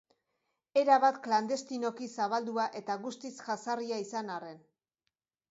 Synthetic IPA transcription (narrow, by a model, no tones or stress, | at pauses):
e̞ɾaβat̪kland̪e̞st̪ino̞kisaβald̪uaʔe̞t̪aɣust̪isʝasariaisanare̞n